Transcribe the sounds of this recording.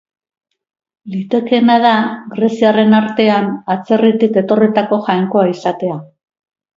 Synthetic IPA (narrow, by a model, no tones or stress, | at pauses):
lit̪e̞ke̞nað̞aɡɾe̞siare̞naɾt̪e̞anat͡se̞rit̪ike̞t̪o̞rit̪ako̞ʝajŋko̞aisat̪e̞a